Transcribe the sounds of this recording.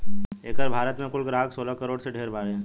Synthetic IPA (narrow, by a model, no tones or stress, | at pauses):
eːkəɾbʱaːɾət̪mẽkʊlɡɾaːɦəksoːlakəɾoːɽseɖʱeːɾbaːɾeɛ̃ː